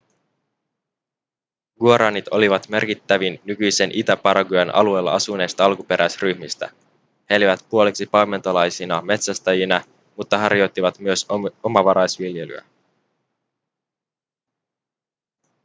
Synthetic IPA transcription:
ɡ̥uoɾɑːnit̪o̞̰liʋɑt̪me̞rkit̪ːæʋinːykyjse̞nʔit̪æpɑɾɑɡujɑnɑ̰lue̞ːlːɑ̰ɑsunːe̞ːst̪ɑɑlkupe̞ɾæjsryçmist̪æ̰ | heeliʋæt̪puo̞leksipɑme̞nt̪olɑjsinɑme̞t̪sæst̪ɑjinɑ | mut̪ːɑɦɑɾjo̞jt̪ːiʋɑt̪myøso̞mɑʋɑɾɑjsʋilje̞ly̰æ̰

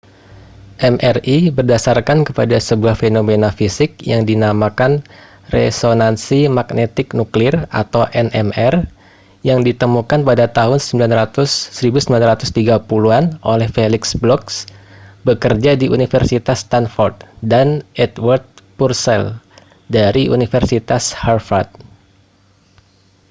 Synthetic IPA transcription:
ʔɛmʔɛribərdasarkankəpadasəbuahfenomenafisɪk̚jaŋdinamakan | rḛsonansimak̚net̪ɪknuklɪra̰t̪awʔɛnɛmɛr | jaŋdit̪əmukanpadat̪aɦʊnsəmbilanrat̪ʊsːəɾibusəmbilanrat̪ʊst̪iɡapuluanʔolɛhfelɪksblɔksbəkərd͡ʒadiʔunifərsit̪ast̪anfɔrt̪̚danɛt̪wart̪̚pursɛl | daɾiṵnifərsit̪asharfart̪̚

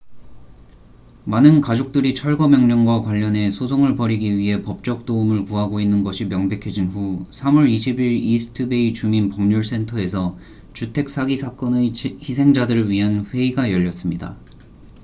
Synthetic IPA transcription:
manɯnkad͡ʑok̚t͈ɯɾit͡ɕʰʌɭɡʌmjʌŋɲʌŋɡwakwaʎːʌne̞sʰosʰoŋɯɭpʌɾiɡiɥiɦe̞pʌp̚t͡ɕ͈ʌk̚t͈oumɯɭkuɦaɡoinːɯnɡʌɕʰimjʌŋbe̞kʰed͡ʑinɸusʰamuɾiɕʰibiɾisʰɯ̥tʰɯbe̞it͡ɕuminpʌŋɲuɭs͈ʰe̞ntʰʌe̞sʰʌ | t͡ɕutʰe̞k̚s͈ʰaɡisʰak͈ʌneçisʰe̞ŋd͡ʑadɯɾɭɥiɦanɸwe̞iɡajʌʎːʌs͈ɯmɲida̰

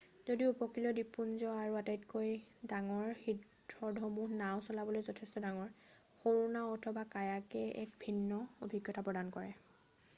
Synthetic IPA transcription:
zodiupɔkilɔdipunzɔaɹuatajtkojdaŋɔɹxidʰ | ɹɔdʱɔmuhnawsɔlabɔlojzɔtʰɛstɔdaŋɔɹ | xoɹunaɔtʰɔbakajakɛɛ̰k̚bʱinːɔobʱiɡjɔtapɹɔdankɔɹɛ

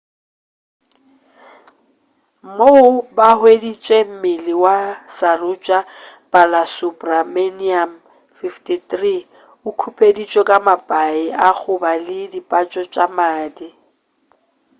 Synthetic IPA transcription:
moʊbahwedit͡ʃʼɛm̩mɪlɪwasarʊt͡ʃʼapʼalasupʼrameniam | fiftʰʼitri | ʊkʰupʼedit͡ʃʼɔkʼamapʼaɪaɣʊbalɪdipʼat͡ʃʼɔt͡ʃʼamaːdi

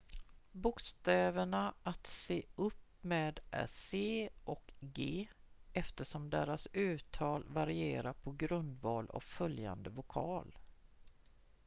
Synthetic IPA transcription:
bʊkst̪ɛːvəɳaat̪seːɵpːmeːd̪ʔæ̰seːɔkɡeːɛft̪əʂɔmd̪eːɾasʉ̟ːt̪ʰɑːlvaɾɪeːɾapʰɔɡɾɵnd̪vɑːlɔ̰vfœlja̰nd̪əvʊkʰɑːl

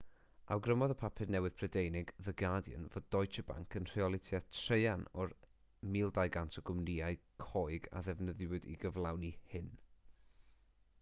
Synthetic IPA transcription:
a̰wɡrəmɔðəpʰapʰɨdnɛwɨð̥pʰrədejnɪɡðəɡadjə̰nvod̚dɔjt͡ʃʰəba̰ŋkʰənr̥iɔlˠɪtʰjatʰreɨanɔr | miːlˠdajɡantʰɔɡʊmniːaɨkʰoːɨɡa̰ðɛvnəðwɪdḭɡəvlˠawnihɪn

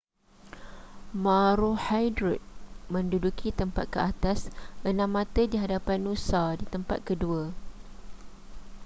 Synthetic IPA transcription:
mãɾuhajdɾut̪̚mə̃ndudukʰit̪əmpa̰t̪̚kəat̪asʔənãmːãt̪ədiɦadapanusadit̪əmpa̰t̪̚kədua

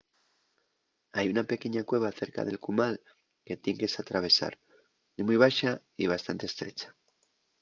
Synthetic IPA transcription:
ajunape̞ke̞ɲakwe̞β̞aθe̞ɾka̰ðe̞lkumal | ke̞t̪je̞ŋke̞sat̪ɾaβ̞e̞sa̰ɾ | imujβ̞aʃa | iβ̞ast̪ant̪est̪ɾe̞t͡ʃḁ

